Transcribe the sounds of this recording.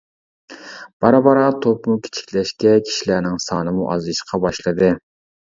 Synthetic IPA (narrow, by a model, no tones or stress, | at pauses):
b̥ɑɾɑbɑɾɑt̪ʰopmukʲʰe̥t͡ʃʰi̥kʲlɛʃkʲɛkʲʰi̥ʃilæɾnɪŋsɑːnɨmuʔɑ̰zɨʃqʰɑbɑʃlˠɨd̪ɨ